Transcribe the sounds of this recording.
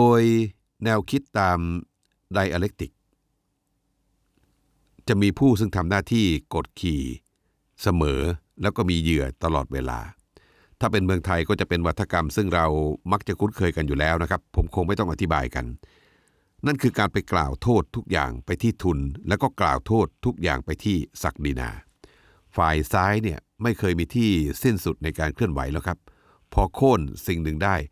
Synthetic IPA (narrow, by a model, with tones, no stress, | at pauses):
doː˧j | nɛː˧wkʰi˦˥t̪ːaː˧m | da˧jʔa˧le˦˥k̚t̪i˨˩k̚ | t͡ɕa˨˩ʔmiː˧pʰuː˥˩s̬ɯ˥˩ŋt̪ʰa˧mnaː˥˩t̪ʰiː˥˩ko˨˩t̪̚kʰiː˨˩ | sa˧mɤː˩˦ | lɛː˦˥wkɔː˥˩miː˧jɯ˥˩ɐt̪a˧lɔ̰ː˨˩t̪̚weː˧la̰ː˧ | t̪ʰaː˥˩pe˧nmɯ˧əŋt̪ʰa˧jkɔː˥˩t͡ɕa˨˩pe˧nwa˦˥t̪ʰːa˧ka˧msɯ˥˩ŋɾa˧wma˦˥k̚t͡ɕa˨˩kʰu˦˥nkʰɤː˧jka˧njuː˨˩lɛː˦˥wna˦˥kʰa˦˥pʰːo˩˦mkʰo˧ŋma˥˩jt̪ɔ˥˩ŋʔa˧˩t̪ʰi˦˥ba̰ː˧jka̰˧n | na˥˩nkʰɯː˧kaː˧npa˧jkla̰ː˨˩wt̪ʰoː˥˩t̪ʰːu˦˥k̚ja̰ː˨˩ŋpa˧jt̪ʰiː˥˩t̪ʰu˧nlɛː˦˥wkɔː˥˩klaː˨˩wt̪ʰoː˥˩t̪ʰːu˦˥k̚ja̰ː˨˩ŋpa˧jt̪ʰiː˥˩sa˨˩k̚diː˧na̰ː˧ | faː˨˩jsaː˦˥jni˥˩ɐma˥˩jkʰɤː˧jmiː˧t̪ʰiː˥˩si˥˩nsu˨˩t̪̚na˧jkaː˧nkʰɯ˥˩ənwa̰˨˦jlɛː˧˩wkʰa˦˥p̚ | pʰːɔː˧kʰoː˥˩nsi˨˩ŋnɯ˨˧ŋdaː˥˩j